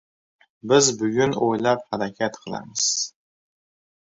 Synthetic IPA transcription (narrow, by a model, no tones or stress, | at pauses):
bɨzbɨɥʊnojlapħadakʲʰiatqʰəla̰mɨs